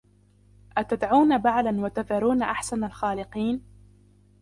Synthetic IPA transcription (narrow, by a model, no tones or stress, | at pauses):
ʔat̪ad̪ʕuːnabaʕlanwat̪aðɑɾuːnaʔaħsanalxaːlɪqiːn